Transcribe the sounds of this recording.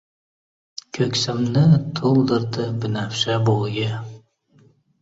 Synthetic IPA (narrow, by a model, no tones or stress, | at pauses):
kʲʰɵkʲsɪmnɪt̪ʰolˠd̪ɨɾd̪ɨbɪnæfʃabojɪ